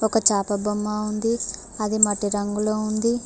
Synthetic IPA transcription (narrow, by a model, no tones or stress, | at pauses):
ɔkɐt͡ʃaːpɐbɐmːaːund̪i | ɐd̪imɐʈːiɾɐŋɡuloːund̪i